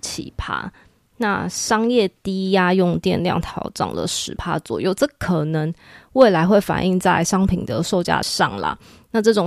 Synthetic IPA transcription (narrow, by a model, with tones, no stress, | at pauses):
t͡ɕʰḭ˨˩pʰa̰˥˩ | na̰˥˩ʂɑ˥ŋjɛ˥˨t̪i˥ja˥jʊ˥˧ŋt̪jɛ˥˧nljɑ̰˥˨˩ŋt̪ʰɑ˨˥ʊʈ͡ʂɑ̰˥˩ŋlə̰˩ʂɻ̩˧˥pʰa̰˥t͡swɔ̰˨˩jo˥˩ʊʈ͡ʂɤ˥˩kʰɤ˨˩nə˧˦ŋwe˥˩ɪla˧˥ɪxwe˥˩ɪfa̰˨˩nʔi˥˧ŋt͡sa˥˩ɪʂɑ˥ŋpʰi˨˩ŋd̪ə˨ʂo˥˧ʊt͡ɕja̰˥˧ʂɑ̰˥˨˩ŋlə̰˩ | na˥˧ʈ͡ʂɤ˥˩ʈ͡ʂʊ˨˩ŋ